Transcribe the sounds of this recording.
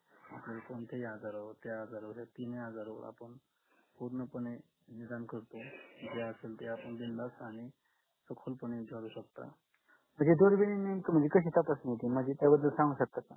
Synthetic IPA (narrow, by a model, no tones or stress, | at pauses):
a̰sekont̪ʰejad͡zaɾəʋət̪eəd͡zaɾoʋəsat̪ineɦad͡zaɾəʋə̰ɾa̰pəɳ | puɾnəpəɳe | nid̪ankəɾt̪od͡ʑeəselt̪eapəɳb̪ind̪asaɽ̃i | səkʰolpəned͡zʱaɾuːɕək̚t̪a̰ | m̤əɳd͡zed̪oɾʋeninːent̪əm̤əɳd͡ʑekəɕ̬it̪ʰapəsnjet̪im̤əd͡ʑet̪jabəd̪ːəlsãŋɡuɕək̚t̪at̪